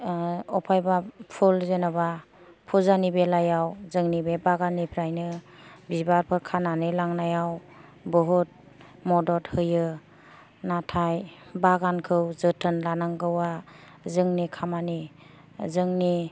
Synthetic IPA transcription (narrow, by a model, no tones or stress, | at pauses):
ɔpʰajbapʰulzenaba | pʰuzanibelajawzɯŋnibebaɡanːipʰɾajnɯ | bibaɾpʰɯɾkʰananilaŋnajaw | bɯɦut̚ | mɔdɔt̚hɯjɯ | natʰajbaɡankʰɯwzɯtʰɯnlanaŋɡɯwa | zɯŋnikʰamani | zɯŋni